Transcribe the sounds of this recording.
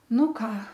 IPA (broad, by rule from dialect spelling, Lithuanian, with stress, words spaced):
ˈnʊ ˈkɑː